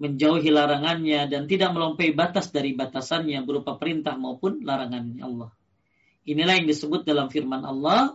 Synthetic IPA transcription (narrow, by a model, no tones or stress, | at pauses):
məɲd͡ʒauɦilaɾaŋanɲadant̪idak̚məlɔmpɛibat̪asdaɾibat̪asanɲabəɾupapəɾint̪ahmaupʊnlaɾaŋanɲaɑlːɑh | ʔinilahjaŋdisəbʊt̪̚dalamfirmanʔɑ̰lːɑh